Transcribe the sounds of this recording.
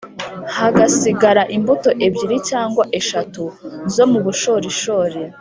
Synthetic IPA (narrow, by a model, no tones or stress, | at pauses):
haɡasiɡaɾaʔimbuto̞ʔe̞bɟiɾicaːŋɡwaʔe̞ʃatuzo̞muβuʃo̞ːɾiʃoːɾe̞